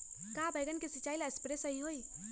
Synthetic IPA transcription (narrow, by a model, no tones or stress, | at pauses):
kabʱəjɡənkesit͡ʃaːilaespɾesəɦiɦoi